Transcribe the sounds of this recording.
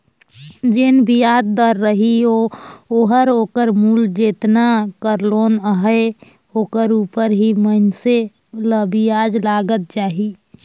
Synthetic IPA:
d͡ʒenbʱijad̪̚d̪əɾːəɦiooɦəɾokəɾmuld͡ʒet̪nakəɾlonəɦəe | okəɾupəɾɦimənse | ləbijad͡ʒlaɡət̪̚t͡ʃaɦi

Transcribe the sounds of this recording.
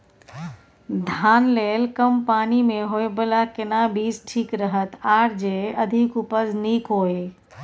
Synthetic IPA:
d̪ʱaːnleːlkəmpaːnimẽɦoːebəlaːkɪnabiːzʈʰiːkɾəɦət̪aːɽd͡ʒeːɐd̪ʱɪkʊpəzniːkɦoːe

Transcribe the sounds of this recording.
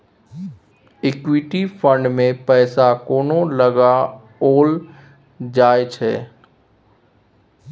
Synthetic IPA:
ɪkwɪʈifʰə̃ɳɖmẽpɛːsakoːnoləɡa | oːl | d͡ʒaːet͡ʃʰɛ̰ː

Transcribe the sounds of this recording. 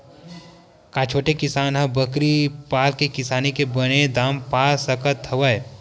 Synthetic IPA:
kaːt͡ʃʰoːʈekɪsaːnɦɐbəkɾipaːlkekɪsaːnikebɐned̪aːmpaːlsɐkət̪ʰːɐʋəj

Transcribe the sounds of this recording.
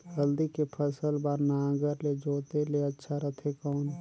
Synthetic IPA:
ɡəld̪ikepʰəsəlbaːɾnaãɡəɾled͡ʒoːt̪eleətːʃʰaɾət̪ʰekɔːn

